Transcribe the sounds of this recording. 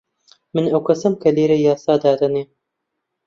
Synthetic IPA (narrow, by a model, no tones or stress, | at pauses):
mɨnɐwkʰɐsɐmkʰɐleːɾejɑːsɑːd̪aːd̪ɐneː